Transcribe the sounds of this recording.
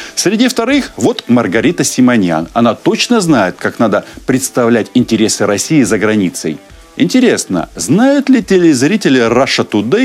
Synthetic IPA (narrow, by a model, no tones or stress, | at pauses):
sʲɾʲɪdʲift̪ɐɾɨxvo̞t̪mərɡɐɾʲit̪əsʲɪmɐnʲja̰nɐnat̪o̞t͡ɕnəznajɪt̪̚kaknad̪əpɾʲɪt̪st̪ɐvlʲætʲɪnʲtʲɪɾʲe̞sɨɾɐsʲijɪzəɡɾɐnʲit̪sə̰j | ɪ̰nʲtʲɪɾʲe̞snə̰znajʊt̪lʲɪtʲɪlʲɪzɾʲitʲɪlʲɪraʂət̪ʊd̪ɨ